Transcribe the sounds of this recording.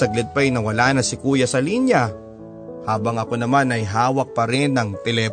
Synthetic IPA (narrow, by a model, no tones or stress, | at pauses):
ɐɡ̚lɪd̪̚pɐjnɐwɐlaːnɐsɪkuːjɐsɐliːnjɐ | haːbɐŋɐko̞nɐmanɐjɦaːwɐk̚pɐɾɪnːɐŋt̪ɛlɛː